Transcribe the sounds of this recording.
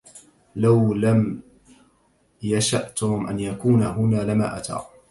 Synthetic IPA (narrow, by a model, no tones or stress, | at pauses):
lawlam | jaʃaʔt̪ʊmʔa̰njakuːnaɦʊnaːlɪma̰ːʔa̰t̪ʰɑ̰ː